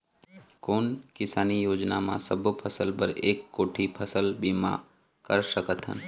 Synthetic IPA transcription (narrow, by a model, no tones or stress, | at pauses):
koːnkɪsaːnijoːd͡ʒnamã̰səbʱpʰəsəlpəɾeːkːoːʈʰipʰəsəlbimã̰ | kəɾʃəkət̪ɦə̰n